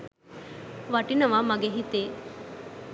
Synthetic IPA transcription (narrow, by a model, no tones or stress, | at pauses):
ʋaʈinɐʋamaɡeɦit̪e